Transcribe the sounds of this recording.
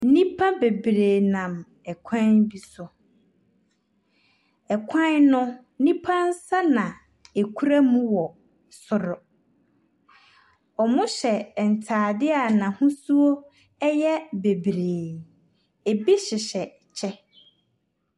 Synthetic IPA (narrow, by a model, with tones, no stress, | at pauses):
nĩ˦pʰã˦be˨bɾeː˨nã˨m | ɛ˨kʷʰã˦nbi˦sʊ˨ | ɛ˨kʷʰã˦nnːʊ̃˦ | nĩ˦pʰã˦n̩˦sa˦nã˨ | e˨kʰu˦ɾa˦mũ˦wɔ˨ | sʊ˨ɾʊ˨ | ɔ˨mʊ̃˦ɕɛ˨n̩˨tʰaː˨dɪ˦a˨nã˨hũ˦su˦o˦ | ɛ˦jɛ˦be˨bɾeː˨ | e˨bi˦ɕɪ˨ɕɛ˨ | t͡ɕʰɛ˦